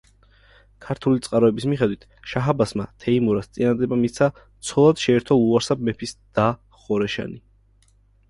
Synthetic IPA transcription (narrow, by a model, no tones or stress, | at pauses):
kʰaɾt̪ʰulit̪sʼqʼaɾɔɛbismiχɛd̪wit̪ʰʃaɦabasmat̪ʰɛimuɾast̪sʼinad̪ɛbamit̪sʰa | t̪sʰɔlˠad̪̥ʃɛːɾt̪ʰɔlˠuaɾsab̚mɛpʰisd̪̥a | χɔɾɛʃa̰ni